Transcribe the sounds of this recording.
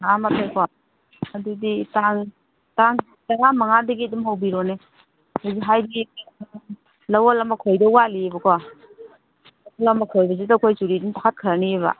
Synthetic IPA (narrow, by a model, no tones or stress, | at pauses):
amatʰajkʰɔ | aduditaŋ | taŋ | taŋamaŋadɐɡiadumɦawbiɾɔne | haziɦajbik | lawalamakʰojdɐwalibɐkʰɔ | alamakʰɔjbɐzudakʰojzuɾidinpʰakʰat̚kʰaɾaniβa̰